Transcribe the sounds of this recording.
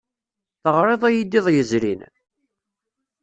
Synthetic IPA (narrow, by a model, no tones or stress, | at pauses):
θəʁɾˤeðˤæjid̪ːiðˤjəzɾin